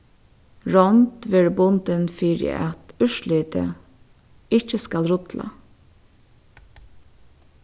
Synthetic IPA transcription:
ɹɔnt̪ʋɪɹbʊnd̪ənfiːɾɪ̰ʔɑt̪ʉʃliːt̪ʰə̰ | ɪçəskɑlɾʊt̪lɑ̰

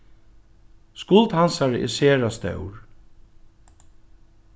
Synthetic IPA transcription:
skʊlt̪hansaɹʔɛ̰seːɹast̪œ̰wɹ

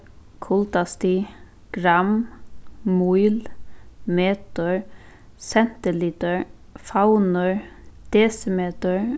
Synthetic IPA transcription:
kʰʊlt̪ɑst̪iː | ɡ̥ɾɑm | muʏlmeːt̪ɔɹ | sɛnt̪əliːt̪əɹ | fɑʊnəɹ | d̪̥eːsəmeːt̪əɹ

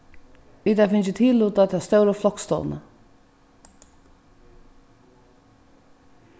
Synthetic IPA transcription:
iːt̪afɪnt͡ʃət̪ʰiːluːt̪at̪ʰast̪œwɾəflɔkst̪ɔ̰l̰nə̰

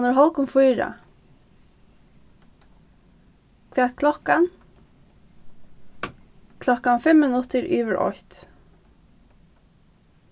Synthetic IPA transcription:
nʊɹɦɔlkʊmfʊjɹa̰ | kʰʋæːt̪̚kʰlɔhkan | kʰlɔhkanfɛmːɪnʊt̪ɪɹʔyːvəɹʔɔ̰çt̪

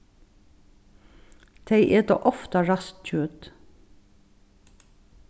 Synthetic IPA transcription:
t̪ʰeɪʔeːd̪o̰ːʔɔft̪ɑɹɑst̪c͡çʉːt̪

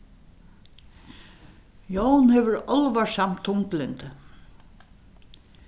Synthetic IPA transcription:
jownhɛʋʏɾɔlvasam̥t̪ʰʊŋklɪnt̪

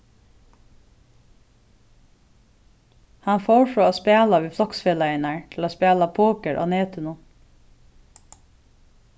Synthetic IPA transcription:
hɑnfoːɹfɹɔːaːspæːlaʋiːflɔksfeːlaɪnaɹt̪ʰɪlaːspæːlapʰoːkəɹʔa̰ːneːt̪ʏnʊ

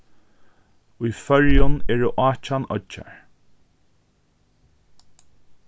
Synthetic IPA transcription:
ʊjfœɹjʊnɛːɹʊʔaːt͡ʃanɔ̰t͡ʃːa̰ɹ

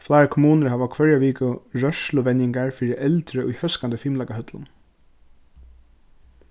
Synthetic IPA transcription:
flaːɾakʰʊmuːnəɾɦaːʋakʰʋœɹjaʋiːkʊɹœʂlʊʋɛnɪŋkaɹfiːɾɪʔɛlt̪ɾəʔṵjhœskant̪əfiːmlakahœt̪lʊ̰n

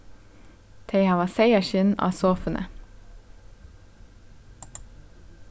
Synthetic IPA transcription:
t̪ʰeɪhɑːʋɑːseɪəʃɪnɑ̰ːsoːfənʔə̰

